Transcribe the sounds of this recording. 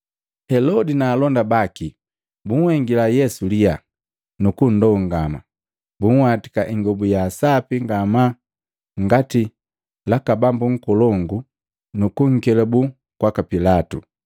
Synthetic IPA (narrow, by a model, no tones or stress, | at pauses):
hɛlɔdinaːlɔndabaki | buŋ̩hɛŋɡilajɛsulija | nukun̩dɔŋɡama | buŋ̩wati̥kaʔiŋɡɔbujaːsapiŋɡama | ŋɡati | lakabambuŋ̩kɔlɔŋɡu | nukuŋ̩kɛlabu | kwakapilatṵ